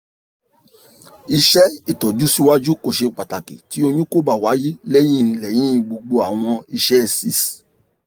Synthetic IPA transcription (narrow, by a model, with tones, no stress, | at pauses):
i˧ʃɛ˦i˦˨tɔ˨d͡ʒu˨˦si˦wa˦d͡ʒu˦ko˦˨ʃe˧k͡pa˨ta˨kḭ˨ti˨˦o˧ɲũ˦ko˦ba˦˨wa˨˦ji˦le˦j̃ĩ˦˨˧lɛ˦˨j̃ĩ˦i˧ɡ͡bo˧ɡ͡bo˧a˨w̃ɔ̃˧i˧ʃɛ˦˨si˦s